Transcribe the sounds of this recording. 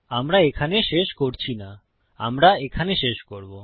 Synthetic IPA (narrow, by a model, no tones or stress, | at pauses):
amɾaekʰaneʃeʃkoɾt͡ɕʰina | a̰mɾaekʰaneʃeʃkoɾbo